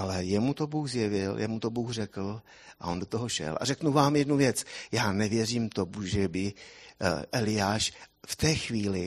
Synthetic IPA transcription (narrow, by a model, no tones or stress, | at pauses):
ʔalɛjɛmut̪o̞buːxzjɛvɪljɛ̰mut̪obuːxr̝ɛkl̩ | ʔaʔo̞ndo̞t̪oɦoʃɛ̰lʔa̰rɛknuvaːmjɛdnuvjɛt͡sjaːnɛvjɛriːmt̪omuʒɛbɪ | ʔɛlɪjaːʃft̪ɛːxviːlɪ